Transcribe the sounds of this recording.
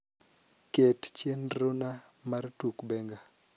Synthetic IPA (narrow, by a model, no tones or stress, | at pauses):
kett͡ʃendronamartukbɛŋɡa